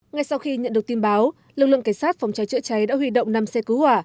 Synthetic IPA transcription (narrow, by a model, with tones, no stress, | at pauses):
ŋa˨˧jsa˧wxi˧ɲə̰˧˨nɗɨ˨˩ək̚t̪i˧nɓaː˨˦w | lɨ˨˩k̚lɨ̰˧˨ŋkaː˧˩jsaː˦˥t̚fa˨˩wŋ͡mt͡ɕa˨˦jt͡ɕɨ̰˧˥ət͡ɕa˨˦jɗa̰ː˧˥hwi˧ɗo̰˧˨wŋ͡mna˧˩msɛ˧kɨ˨˦hwaː˧˩